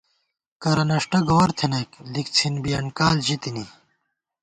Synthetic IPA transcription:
kɐɾɐnɐʂʈɐɡɐwɐɾt̪ʰenɐklik̚t͡sʰinbijɐɳkaːld͡ʑit̪ini

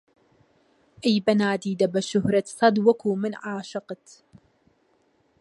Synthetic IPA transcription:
ʔajbanaːd̪iːd̪abaʃʊɦɾat̪sˤɑd̪wakumɪnʕaːʃɨqt̪

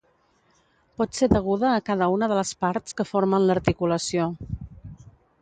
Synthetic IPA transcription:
pɔt̪seðəɣ̞uðəːkaðəunəðələspaɾt̪skəfoɾmənləɾt̪ikuləsio

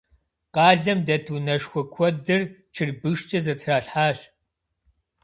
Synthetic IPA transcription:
qɑːɮɐmdɐtʰunɐʃxʷɔkʷʰɔdɨrt͡ʃʰɨrbɨʃt͡ʃʼɐzɐtʰraːɬħaːɕ

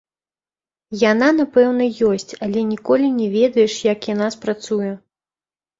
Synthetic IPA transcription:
janan̪apɛwnɐjɔsʲt͡sʲalʲɛnʲikɔlʲinʲɛvʲɛd̪ɐjɛʂjakjanaspɾat̪sujɛ

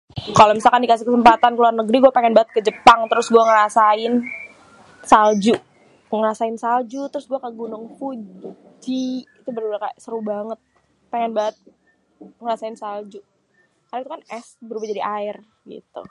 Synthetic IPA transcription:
kalomisalkandikasɪhkəsəmpat̪ankəluarnəɡɾiɡuapeŋɛnbaət̪̚kəd͡ʒəpaŋt̪əɾʊsɡuaŋəɾasaɪn | sald͡ʒuʔ | ŋəɾasaɪnsald͡ʒut̪əɾʊsɡuakaɡunʊŋfu | d͡ʒiit̪ubəɾubakasəɾubaŋət̪̚ | peŋɛnbaət̪̚ | ŋəɾasaɪnsald͡ʒu | kaɾait̪ukanɛsbəɾubad͡ʒadiʔaɪr | ɡḭt̪ṵ

